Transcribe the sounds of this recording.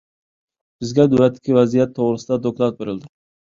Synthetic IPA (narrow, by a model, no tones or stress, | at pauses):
b̥ɪzɡʲad̪ʊlat̪ʰːɪ̥kʲʰɪvazijat̪ʰːoʁɾɨsɪd̪ad̪oklˠat̪̚beɾɪld̪ɪ